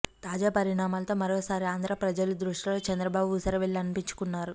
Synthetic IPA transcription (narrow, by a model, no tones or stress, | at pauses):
t̪aːd͡ʒaːpɐɾiɳaːmaːlɐt̪o̞ːmɐɾoːsaːɾiaːnd̪ɾɐpɾɐd͡ʒɐlud̪ɾuʂʈɐlo̞ːt͡ʃɐnd̪ɾɐbaːbuːsɐɾɐʋeɭːiɐnipiɲt͡ʃu̥kunːaːɾu